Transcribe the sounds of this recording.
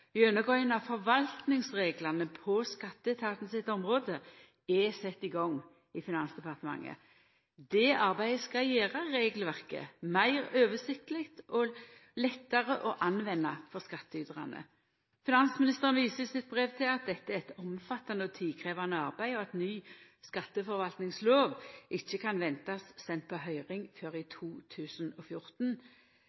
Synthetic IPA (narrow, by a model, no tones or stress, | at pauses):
ɪœnːəɡoənɑfɔʁʋɑlt̪nɪŋsʁeːɡlɑnəpʰɔskɑt̪ːəɛt̪ʰɑːt̪n̩sɪt̪ːɔmʁoːd̪ə | ɛsɛt̪ːɪɡɔŋː | ɪfɪnɑnsd̪ɛpʰɑʁt̪əmɑ̰ŋːə̰ | d̪ɛʔɑʁbæɪəskɑjeːʁɑɾeːɡəlʋæʁkə̰mæɪʁøːʋəsɪkt̪əlɪkt̪ɔlɛt̪ːɑʁəʔɔʔɑnʋɛnːɑfɔʁskɑt̪ːəʏd̪ʁɑ̰nə̰ | fɪnɑnsmɪnɪst̪əʁənʋiːsəsɪt̪̚bʁɛʋt̪ʰɪlɑt̪̚d̪ɛt̪ːəæʁɛt̪ɔmfɑt̪ːɑnəɔt̪ʰiːkʰʁeːʋɑnəɑʁbæɪɔɛt̪nyː | skɑt̪ːəfɔʁʋɑlt̪nɪŋsloːʋʔɪçːəkʰɑnʋɛnt̪ɑsːɛnt̪̚pʰɔɦœʏʁɪŋføːʁɪt̪ʰuːt̪ʰʉːsənɔfjʊʁt̪n̩